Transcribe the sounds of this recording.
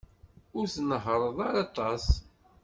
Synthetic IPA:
ʊɾθnəɦəɾˤəðˤaɾɑt̪ˤɑs

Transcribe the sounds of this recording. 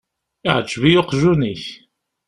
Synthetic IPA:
ɪʕəd͡ʒːvijoqʒuniç

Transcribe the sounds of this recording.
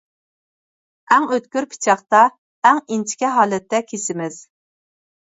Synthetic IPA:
æŋøt̪kʲyɾpʰi̥t͡ʃʰɑχt̪ɑ | ɛŋint͡ʃʰi̥kʲɛɦɑːlɛt̪ʰːɛkʲʰesɪmɪz̥

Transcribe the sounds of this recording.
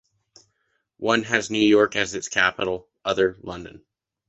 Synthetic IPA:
wʌ̃nɨznʉjɔɹkɨzɨtskʰæpəɾl̩ˠ | ʔʌðə˞lʌ̃ndɨ̰̃n

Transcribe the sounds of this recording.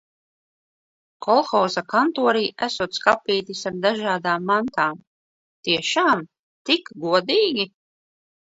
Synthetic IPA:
kʰɔlˠxɔwzakant̪uɔɾiːʔæ̰suːt̪skapːiːt̪isaɾd̪aʒaːd̪aːmːant̪aːm | t̪iɛʃaːm | t̪ikɡuɔd̪iːɡʲi

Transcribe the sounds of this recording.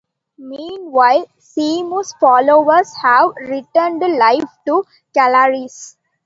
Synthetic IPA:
mĩːnʋaɪl | siːmusfɔːloːʋəɾshæʋɾɪʈəɳɖlaɪfʈu | kæləɾis

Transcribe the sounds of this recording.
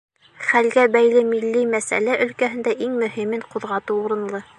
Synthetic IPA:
χælɡæbæjlɘmilːimæsæ̰læʔɵ̆lkæɦɘ̆nd̪æʔiŋmɵ̆himɘɴquðʁɑt̪ɤuɾɤ̆nlˠɤ

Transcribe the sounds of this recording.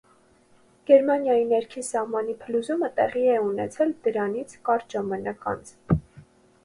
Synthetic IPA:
ɡ̥ɛɾmɑnjɑjinɛɾkʰinsɑhmɑnipʰəluzumət̪ɛʁiɛunɛt͡sʰɛld̪əɾɑnit͡sʰkɑɾʒ̥ɑmɑnɑkɑ̰nt͡s

